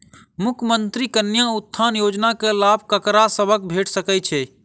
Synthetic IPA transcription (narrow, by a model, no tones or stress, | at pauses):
mʊkʰəmənt̪ɾikənːjaʊt̪ʰːaːnjoːd͡ʒnakelaːbʱkəkɾasəbʱək̚bʱeːʈʰsəkɛt͡ʃʰɛ